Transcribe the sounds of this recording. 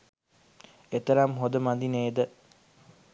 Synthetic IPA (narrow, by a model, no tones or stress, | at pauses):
et̪ɐɾɐmɦod̪əmad̪ineːd̪ə